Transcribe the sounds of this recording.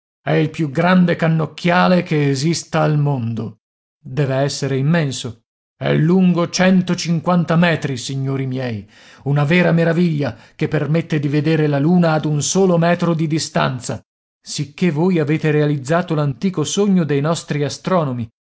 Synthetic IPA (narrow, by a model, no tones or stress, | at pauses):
ɛilpjuɡɾand̪ekanːokʰːjaːlekeːzist̪aːlmond̪o | d̪ɛːveɛsːeɾeimːɛnso | ɛ̰lːuŋɡot͡ʃɛnt̪ot͡ʃiŋkwant̪amɛːt̪ɾisiɲːoːɾimjɛːj | unavɛːɾameɾaviʎːa | kepːermet̪ːed̪ived̪eːɾelaluːnaːd̪unsoːlomɛːt̪ɾod̪id̪ist̪a̰nt̪sa̰ | sikːevoːjaveːt̪eɾealid̪zːaːt̪olant̪iːkosoɲːod̪ejnɔst̪ɾiast̪ɾɔːnomi